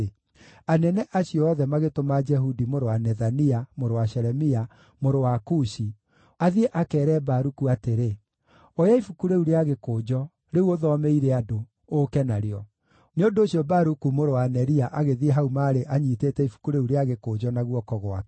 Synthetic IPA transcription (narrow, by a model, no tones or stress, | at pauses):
anɛnɛʔaɕijɔɔðɛmaɣetomad͡ʒɛɦudimoɾowanɛðaniamoɾowaʃɛɾɛmia | moɾowakuʃi | aðieʔakɛːɾɛbaɾukuateɾe | ojaifukuɾeuɾeaɣekoːd͡ʒɔ | ɾeuoðɔmeiɾeadoː | kɛnaɾeɔ | neondooɕjɔbaɾukumoɾowanɛɾiaʔaɣeðieɦaumaɾeʔaɲiteːtɛifu̥kuɾeuɾeaɣekoːd͡ʒɔnaɣwɔkɔɣwa̰k